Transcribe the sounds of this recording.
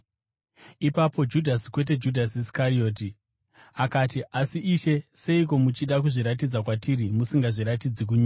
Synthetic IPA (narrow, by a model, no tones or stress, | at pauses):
ipapo̞d͡ʒudʱasi̥kwe̞t̬e̞d͡ʒudʱas̬iskaɾio̞ːt̬i | akatiʔasiʔiʃe̞se̞iko̞mut͡ʃiɗakuʐiɾat̬id͡zakwatiɾimusiŋɡaʐiɾat̬id͡zik̬uɲua